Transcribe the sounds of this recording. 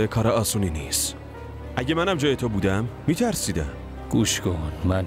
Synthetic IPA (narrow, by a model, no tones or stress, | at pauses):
ekʰɒːɾeɒːsuːniniːs | ʔæɟemænæmd͡ʒɒːjet̪ʰobuːd̪æmːiːt̪ʰæɾsiːd̪æ̰m | ɡ̥uʃɡonmæn